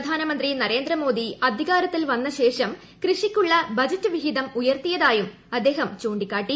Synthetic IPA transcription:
pɐd̪ʱaːnɐmɐnd̪rinɐɾe̞ːnd̪rɾɐmo̞ːd̪iɐd̪ʱiɣaːɾɐt̪ːilʋɐnːɐɕe̞ːʂɐm | krɨʂikʲːuɭːɐbɐd͡ʑɐtːɨʋiɦid̪ɐmujɐrt̪ijɐðaːjum | ɐd̪ːe̞ːɦɐmt͡ɕoːɳɖikʲːaːʈːi

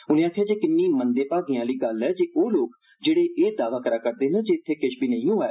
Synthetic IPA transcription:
ʊnẽːaːk̪ʰːjãːd͡ʒeːkɪnːiːmənd̪eːpaːɡijãːliːɡəlɛːd͡ʒeːʔoːloːk | d͡ʒeːɽeːʔːd̪aːʋaːkəɾaːkəɾd̪eːnə̃ːd͡ʒeːɪt̪ʰːeːkɪʃbiːnəĩːũːɛː

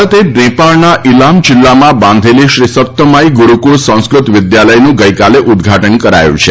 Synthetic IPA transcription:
t̪ʰeɖɾẽpaɭnaʔɪlamd͡ʒɪlːamãbãnd̪ʱeliʃɾisət̪ːəmajɡuɾukuɾsə̃w̃skɾut̪ʋɪd̪jaləjnũɡəjkaleʔʊd̪ɡʱaʈənkəɾa̰jṵ̃t͡ʃʰe

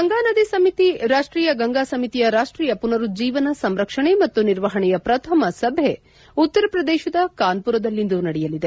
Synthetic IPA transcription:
ɡɐŋɡaːnɐd̪isɐmit̪iɾaːʂʈɾiːjɐɡɐŋɡaːsɐmit̪ijɐɾaːʂʈɾiːjɐpunɐɾud͡ʒiːʋɐnɐsɐmɾɐkʂɐɳe̞mɐt̪ːuniɾʋɐɦɐɳɛjɐpɾɐt̪ʰɐmɐsɐbʱe | ut̪ːɐɾɐpɾɐd̪eːʃɐd̪ɐkaːnpuɾɐd̪ɐlːind̪unɐɽɛjɐlid̪e̞

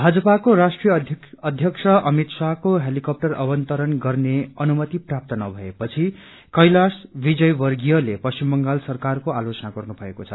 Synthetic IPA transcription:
bʱad͡zʌpakoɾasʈrijʌʌd̪ʱjʌksʰʌʔʌmit̪sakoɦelikʌp̚ʈʌrʌ̰bʌnt̪ʌɾʌnɡʌrneʌnumʌt̪iprap̚t̪ʌnʌbʱʌepʌt͡sʰi | kʌjlasbid͡zʌjbʌrɡijʌlepʌst͡simbʌŋɡalsʌrkarkoalot͡sʌnaɡʌrnubʱʌekot͡sʰʌ

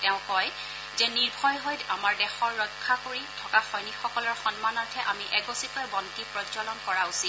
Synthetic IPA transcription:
tɛʊ̃kɔj | zɛniɹbʱɔjɦɔjamaɹdɛxɔɹːɔkʰːakoɹitʰɔkaxɔjnixɔkɔlɔɹxɔnmanɔtʰɛʔamiʔɛɡɔsikɔjbɔntipɹɔzɔlɔnkɔɹausi

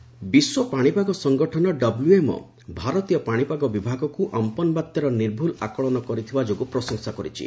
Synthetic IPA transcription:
biswɔpaɽ̃ipaɡɔsɔŋɡɔʈʰɔnɔɖɔbluemɔ̰ | bʱaɾɔt̪ijɔpaɽ̃ipaɡɔbibʱaɡɔkuʔampɔnbat̪jɔɾɔniɾbʱula̰kɔɭɔnɔkɔɾit̪ʰibad͡ʒoɡupɾɔsɔŋsakɔɾit͡ʃʰḭ

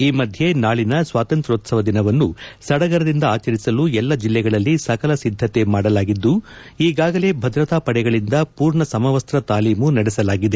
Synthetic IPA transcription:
iːmɐd̪ʱje̞naːɭinɐsʋaːt̪ɐnt̪ɾoːt̪sɐʋɐd̪inɐʋɐnːusɐɽɐɡɐɾɐd̪ind̪ɐaːt͡ʃɐɾisɐluɛlːɐd͡ʒilːɛɡɐɭɐlːisɐkɐlɐsid̪ʱːɐt̪e̞maːɽɐlaːɡid̪ːu | iːɡaːɡɐle̞bʱɐd̪ɾɐt̪aːpɐɽɛɡɐɭind̪ɐpuːɾɳɐsɐmɐʋɐst̪ɾɐt̪aːliːmunɐɽɛsɐlaːɡid̪e

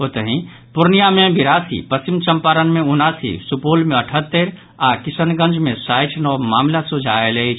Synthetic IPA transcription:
ot̪əɦĩ | puɾnijamebiɾasḭpəst͡ʃimt͡ʃəmpaɾənmeunasḭsupolmeəʈʰət̪ːəɾ | akisənɡə̃nd͡ʒʱmesajʈʰnɔmamlasud͡ʒʱaelət͡ʃʰ

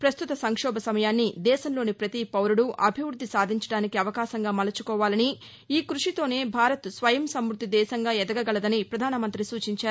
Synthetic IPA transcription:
pɾɐst̪ut̪ɐsɐŋkʂɔːbɐsɐmɐjaːnːid̪ɛːʃɐnlo̞ːnipɾɐt̪ipɐwɾuɽuʔʔɐbʱiʋɾud̪ʱːisaːd̪ʱiɲt͡ʃɐɽaːnikiɐʋɐkaːʃɐŋɡaːmɐlɐt͡ʃukɔːʋaːlɐni | iːkɾuʂit̪o̞ːne̞ːbʱaːɾɐt̪sʋɐjɐmsɐmɾut̪ːid̪ɛːʃɐŋɡaːɛd̪ɐɡɐɡɐɭɐd̪ɐnipɾɐd̪ʱaːnɐmɐnt̪ɾisuːt͡ʃiɲt͡ʃaːɾ

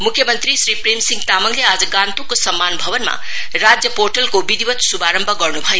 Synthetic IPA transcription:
mukʰːjʌmʌnt̪ɾisɾipɾemsiŋɡt̪amʌŋlead͡zʌɡãnt̪ukosʌmːanbʱʌbʌnma̰ | rad͡zjʌporʈʌlkobid̪ibʌt̪subaɾʌmbʱʌɡʌrnubʱʌjo

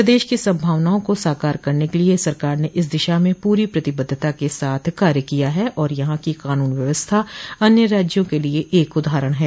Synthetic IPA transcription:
ɾəd̪eːʃkisɐ̃mbʱaːʋnaːõkosaːkaːɾkɐɾnekeliesɐɾkaːɾneʔɪs̬d̪ɪʃamẽpuːɾipɾɐt̪ɪbəd̪ʱːt̪akesaːt̪ʰkaːɾjəkijaɦɛʔɔːɾjɐɦãkikaːnuːnʋjɐʋəst̪ʰaɐnjəɾaːd͡ʒjõkelieʔeːkʊd̪ʱaːɾəɽ̃ɦɛː

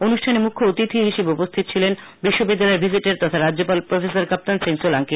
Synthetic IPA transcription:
onuʃʈʰanemukʰːoot̪it̪ʰiɦiʃebeupost̪ʰit̪o̥t͡ɕʰilen | biʃːobid̪ːalɔebʱid͡ʑiʈeɾt̪ɔt̪ʰaɾadd͡ʑopalpɾofesaɾkap̚t̪ansiŋsolaŋki

